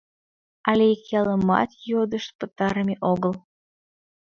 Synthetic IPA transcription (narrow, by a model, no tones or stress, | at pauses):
ɑlʲekɑləmɑ̰t̪jod̪əʃt̪̚pət̪ɑɾəmʲeʔoɣəl